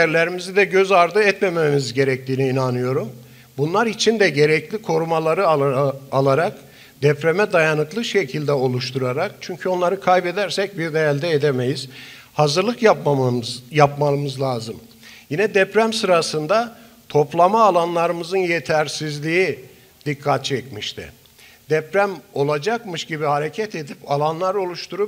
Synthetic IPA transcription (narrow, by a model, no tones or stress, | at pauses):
jæɾlʲeɾimizid̪ɛɟøzaɾd̪ɯɛt̪mememizɟe̞ɾɛc̚t̪ʰiːniːnanɯjo̞ɾum | bunlˠaɾit͡ʃʰind̪ɛɟe̞ɾɛclʲikʰo̞ɾumalˠaɾɯaalˠaɾak | d̪̥ɛpɾemɛd̪ajanɯklˠɯʃecʰilʲd̪ɛo̞lˠuʃt̪ʰuɾaɾakt͡ʃʰyɲcʰyo̞nlˠaɾɯkʰajbɛd̪æɾsɛc̚biɾd̪ejælʲd̪ɛːd̪emejiz̥ | hazɯɾlˠɯkjapmjapmalˠɯmɯzlʲˠaːzɯm | jinɛd̪ɛpɾæmsɯɾasɯnd̪a | t̪ʰo̞plˠamaːlˠanlˠaɾɯmɯzɯnjet̪ʰæɾsizlʲiji | d̪ikʰːat̪̚t͡ʃʰɛcmiʃt̪ʰɪ̰ | d̪̥ɛpɾæmo̞lˠad͡ʒakmɯʃɟibihaɾecʰɛt̪ʰed̪ipalˠanlˠaɾo̞lˠuʃt̪ʰuɾup̚